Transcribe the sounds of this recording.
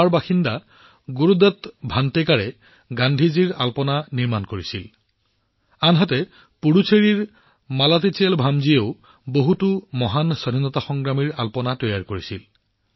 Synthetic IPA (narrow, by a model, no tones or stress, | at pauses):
aɹbaxinda | ɡuɹud̪ɔt̪bʱantekaɹɛ | ɡandʱiziɹalpɔnaniɹmankoɹisil | anɦatɛ | puɹut͡ʃʰeɹiɹ | malat̬itelbʱamzieʊ | boɦutumɔɦansɔdʱinɔtaxɔŋɡɹamiɹalpɔnatɔjaɹkoɹisil